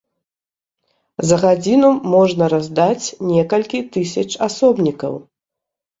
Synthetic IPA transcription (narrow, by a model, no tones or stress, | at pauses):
zɐɣad͡zʲinumɔʐnɐɾazd̪at͡sʲnʲɛkɐlʲkʲit̪ɨsʲɐt͡ʂasɔbnʲikɐ̰w